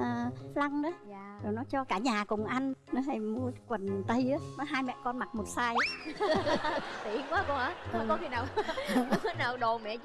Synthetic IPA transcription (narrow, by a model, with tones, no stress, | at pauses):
ʔəː˨˩la˧ŋʔə˨˦˨zo˨˩jnɔ˨˦t͡ɕɔ˧kaː˧˩ɲaː˨˩kʊ˨˩ŋ͡mʔa˧nnɔ˨˦ha˨˩jmu˧əkwə˨˩nt̪ə˧jʔaː˨˦nɔ˨˦ɦaː˧jmɛ̰˧˨kɔ˧nma˨˩t̚mo˨˩t̚saː˧jʔaː˨˦ | t̪i˨˩˧ŋkwaː˨˦kɔ˧ʔaː˨˦n˨ɔ˨˦˨kɔ˨˦t̪ʰi˨˩naː˨˩w | naː˨˩wɗo˨˩mɛ̰˧˨